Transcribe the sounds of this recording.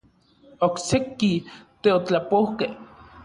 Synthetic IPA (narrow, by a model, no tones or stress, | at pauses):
oksekit̪eot͡ɬapohkeh